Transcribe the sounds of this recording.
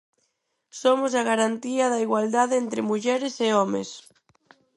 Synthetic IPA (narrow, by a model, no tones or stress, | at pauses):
somʊsɐɣaɾant̪iɐðɐiɣwald̪aðɪent̪ɾɪmuʎɛɾeseɔmḛs